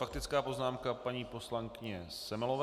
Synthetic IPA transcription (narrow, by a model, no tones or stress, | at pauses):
fak̚t̪ɪt͡skaːpo̞znaːmkapaɲiːpo̞slaŋkɪɲɛsɛmɪlovɛ